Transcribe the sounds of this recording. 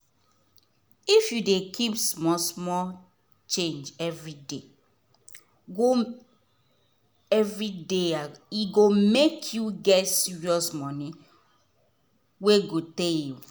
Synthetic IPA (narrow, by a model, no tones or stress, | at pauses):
ifjudekʰipsmɔsmɔl | t͡ʃẽnd͡ʒɛvɹide | ɡo | ɛvɹideaiɡomekʰjuɡɛtsiɹiɔsmɔni | weɡoteĩ